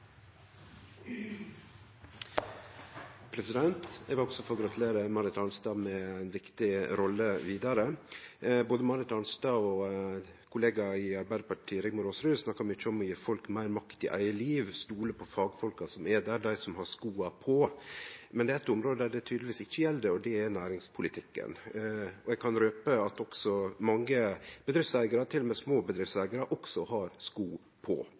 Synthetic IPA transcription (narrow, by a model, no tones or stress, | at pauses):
pʰɾɛsɪd̪ɛnt̪ɛʋɪlɔɡsɔfɔɡɾɑt̪ʰʉleːɾəmɑɾɪt̪ɑnst̪ɑːmɛæɪnʋɪkt̪ɪɾɔlːəʋiːd̪ɑɾə | boːd̪əmɑɾɪt̪ɑnst̪ɑːɔ | kʰʊleːɡɑɪɑɾbæɪd̪əpɑʈʰiːɾɪɡmʊɾoːsɾʉːsnɑkːɑɾmɪt͡ʃːəɔmːyːəfɔlkmæɪɾmɑkt̪ɪ̰ʔæ̰ɪəliːʋst̪uːləpʰɔfɑːɡfɔlkɑsɔmɛd̪æd̪æɪsɔmhɑskuːɑpʰɔ | mɛnd̪ɛːɾɛt̪ːʊmɾoːd̪əd̪æɖɛt̪ʰyːd̪lʋiːsɪçːəjɛlːd̪əɔd̪ɛɛnæːɾɪŋspʰʊlɪt̪ʰɪkːə̰nɔɛɡ̚kʰɑnɾøːpəɑt̪ɔksɔmɑŋːəb̥əd̪ɾɪftsæɪɡɑɾɑt̪ʰɪlːɔmɛːsmoːbəd̪ɾɪftsæɪɡɑɾɑʔɔksɔhɑɾskuː | pʰɔ̰